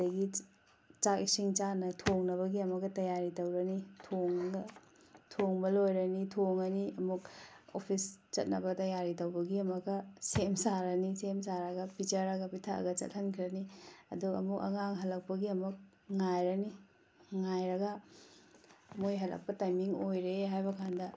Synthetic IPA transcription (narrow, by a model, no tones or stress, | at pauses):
ɐɡi | t͡ʃakisiŋt͡ʃanɐtʰoŋnɐβɐɡiɐmɐɡɐtɐjaɾitɐwɾɐnitʰoŋ | tʰoŋbɐlojɾɐnitʰoŋɐniɐmuk̚o̰pʰist͡ʃɐ̰t̚nɐbɐtɐjaɾitɐwbɐɡiɐmɐɡɐsemsaɾɐnisemsaɾɐɡɐpit͡ʃɐɾɐɡɐpitʰaɐ̰ɡɐt͡ʃɐ̰t̚hɐnkʰiɾɐniɐ̰duɐ̰mukɐ̰ŋaŋɦɐlɐk̚pɐɡiɐmuk̚ | ŋajɾɐni | ŋajɾɐɡɐ | mojɦɐlɐ̰k̚pɐtajmiŋojɾeɦajbɐkʰandɐ